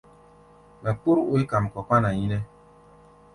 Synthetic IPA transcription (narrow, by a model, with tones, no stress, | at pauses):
la˨k͡pu˦ɾo˦i˦ka˨m˨kɔ˨ka˦na˨ji˦nɛ˦